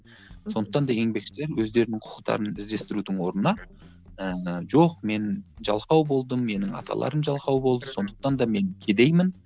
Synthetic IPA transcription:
so̞nd̪ə̥q̚t̪ɑnd̪ɑje̞ŋbe̞kʃɪle̞ɾwɵzd̪e̞ɾɪnɪɴqʰʊ̥ə̥qt̪ɑ̰ɾənɪzd̪e̞st̪ɪɾud̪ɪŋwo̞ɾənɑ | əʒo̞qme̞nʒɑlˠqɑwbo̞lˠd̪əːe̞nɪŋɑ̰t̪ʰɑ̰lˠɑ̰ɾəmʒɑlˠqɑwbo̞lˠd̪əso̞nd̪ə̥q̚t̪ɑnd̪ɑme̞ŋkʲʰe̞d̪e̞jmɪn

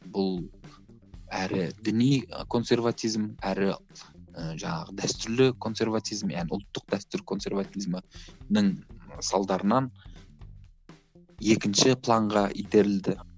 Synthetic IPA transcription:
bʊlˠ | æɾɪd̪ɪnijkʰo̞nse̞rvat̪ijzmæɾɪ | əʒɑɴɑʁəd̪æst̪ʏɾlɪkʰo̞nse̞rvat̪ʰijzmjænʊ̰lˠt̪ːəq̚d̪̥æst̪ʏɾkʰo̞nse̞rɾvat̪ijzmənəɴsɑlˠd̪ɑɾənɑn | je̞kʲɪnʃɪpʰlˠɑɴʁɑijd̪e̞ɾɪld̪ɪ

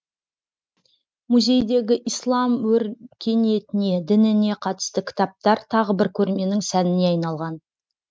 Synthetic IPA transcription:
muzʲe̞jd̪e̞ɡʲɪʔijslˠɑmwɵɾkʲʰe̞nije̞t̪ɪne̞d̪ɪnɪne̞qʰɑt̪ə̥st̪əkʲʰɪ̥t̪ɑp̚t̪ɑɾt̪ʰɑʁəbɪɾkʲʰɵɾme̞nɪŋsænɪne̞ɑjnɑlˠʁɑn

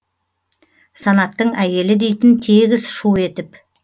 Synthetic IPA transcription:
sɑnɑt̪ːəɴæje̞lɪd̪e̞jt̪ɪnt̪ʰeɡʲɪzʃue̞t̪ɪp

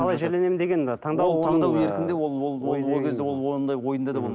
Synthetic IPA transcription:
qʰɑlˠɑjʒeɾle̞ne̞mɪnd̪e̞ɡʲe̞nd̪ɑt̪ʰɑɴd̪ɑwlˠoɑɴd̪ɑweɾkʲɪnd̪ewolˠwolˠwojwolˠkʲʰezd̪eo̞lˠwond̪ɑjwo̞jənd̪ɑd̪ɑbom

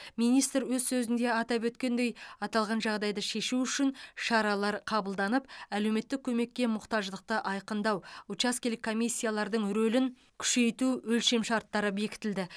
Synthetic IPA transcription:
mijnijst̪ɾwɵzsɵzɪnd̪e̞ɑt̪ɑpɵt̪kʲe̞nd̪e̞jɑt̪ɑlˠʁɑnʒɑʁd̪ɑjd̪əʃe̞ʃuʏʃɪnʃɑɾɑlˠɑɾqʰɑbəlˠd̪ɑnəpæle̞wme̞t̪ːɪkʲʰɵme̞kʲːe̞mʊqt̪ɑʒd̪əq̚t̪əʔɑjqənd̪ɑwut͡ʃaskʲelɪkʰːomijsʲːijalˠɑɾd̪əɴɾɵlɪŋ | kʲʰʏ̥ʃe̞jt̪uɵlʃe̞mʃɑɾt̪ːɑɾəbe̞kʲɪ̥t̪ɪld̪ɪ

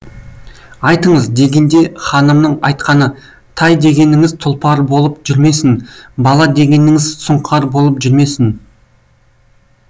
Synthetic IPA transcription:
ɑjt̪əɴəzd̪e̞ɡʲe̞nd̪e̞χɑnəmnəɴɑjt̪qɑnə | t̪ʰɑjd̪e̞ɡʲe̞nɪŋɪzt̪ʰʊlˠpɑɾbo̞lˠəpʒʏɾme̞sɪnbɑlˠɑd̪e̞ɡʲe̞nɪŋɪzsʊɴqʰɑɾbo̞lˠəpʒʏɾme̞sɪn

